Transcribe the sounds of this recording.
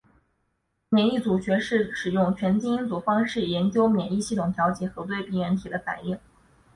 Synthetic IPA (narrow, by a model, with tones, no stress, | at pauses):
mjɛ˨˩ni˥˩t͡su˨˩ɕɥɛ˧˥ʂɻ̩˥˩ʂɻ̩˨˩jʊ˥˩ŋt͡ɕʰɥɛ˧˥nt͡ɕi˥ŋi˥nt͡su˨˩fɑ˥ŋʂɻ̩˥˩jɛ˧˥nt͡ɕjo˥ʊmjɛ˨˩ni˥˧ɕi˥˩t̪ʰʊ˨˩ŋt̪ʰjɑ˧˥ʊt͡ɕjɛ˨˩xɤ˧˥t̪̬we˥˧ɪpi˥˩ɥɛ˧˥nt̪ʰi˨˩d̪ə˦fa̰˨˩ni˥˩ŋ